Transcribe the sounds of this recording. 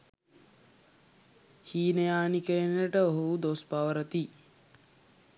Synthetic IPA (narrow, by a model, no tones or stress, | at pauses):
hiːnəjaːnikeenəɾəʈəoɦud̪ospaʋəɾət̪i